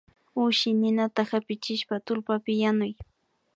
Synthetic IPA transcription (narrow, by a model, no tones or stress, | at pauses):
ʊʃɪnɪnat̪ahapɪt͡ʃɪʃpat̪ʊlpapɪjanʊj